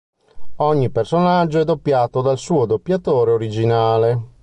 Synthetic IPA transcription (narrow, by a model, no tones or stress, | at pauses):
ɔɲːipersonad͡ʒːoɛd̪ːopːjaːt̪od̪alsuːod̪opːjat̪oːɾeoɾid͡ʒinaːle